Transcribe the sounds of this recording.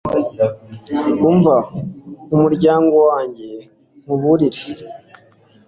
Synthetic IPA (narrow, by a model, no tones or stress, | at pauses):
uɱva | umuɾɟaːŋɡo̞waːɲɟe̞ | m̥uβuɾiɾe